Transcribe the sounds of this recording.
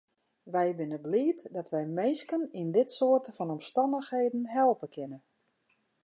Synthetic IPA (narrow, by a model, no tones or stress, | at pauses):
ʋɛjbɪnəbliːtdɔtʋɛjmeːskənindɪtsoətəfɔnɔmstɑndəxheːdn̩ɦɛlˠpəkʰɪnə